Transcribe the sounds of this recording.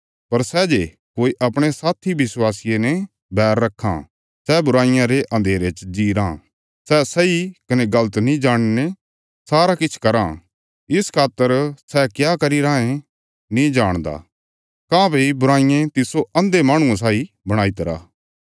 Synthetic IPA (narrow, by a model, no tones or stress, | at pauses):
pɐɾsɛːd͡ʒe | koːiʔɐpɽ̃esaːt̪ʰibɪswaːsijenɛ | bɛːɾːɐkʰːã̰ | sɛːbʊɾaːɪ̃jãɾeʔɐ̃nd̪ʱeːɾet͡ʃd͡ʒiːɾãː | sɛːsɐikɐneɡɐlət̪nĩd͡ʒaːɽ̃ne | saːɾakɪt͡ʃʰkɐɾãː | ɪskʰaːt̪ːəɾsɛkjaːkɐɾiɾaːẽ | nĩd͡ʒaːɽ̃d̪a̰ː | kãːbʱeibʊɾaːɪ̃jẽt̪ɪsoɐ̃nd̪emaːɽ̃ũãs̬aːi | bɐɽ̃aːit̪ɐɾa̰ː